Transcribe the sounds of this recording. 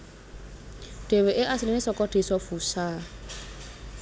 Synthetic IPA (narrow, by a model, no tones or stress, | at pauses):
d̥eweʔɪʔasɪlɪɪsɔkʼɔd̥esɔfusaː